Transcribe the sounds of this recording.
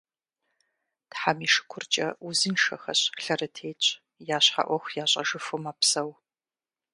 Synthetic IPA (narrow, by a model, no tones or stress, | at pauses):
tħamiːʂɨ̥kʷʰʊrt͡ʃʼɐuzɨnʂɐ̰xɐ̰ɕɬɐɾɨtʰeːt͡ʃʼ | jaːɕħa̰ʔʷɔxʷjaːɕʼɐ̰ʒɨfɨmapsɐw